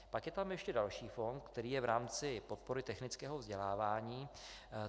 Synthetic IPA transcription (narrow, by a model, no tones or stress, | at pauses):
pakjɛt̪amjɛʃcɛdalʃiːfo̞nt̪̚kt̪ɛɾiːjɛvɾaːmt͡sɪpo̞t̪̚po̞ɾɪt̪ɛxnɪt͡skɛːɦovzɟɛlaːvaːɲiː